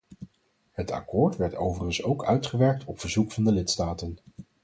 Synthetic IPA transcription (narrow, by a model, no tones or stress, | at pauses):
ɦətɑ̰kʊːɹtʋɛɹtowvərənsowkœɥtχəʋɛɹk̚tʰɔpfəɹzukfɑndəlɪtstaːtən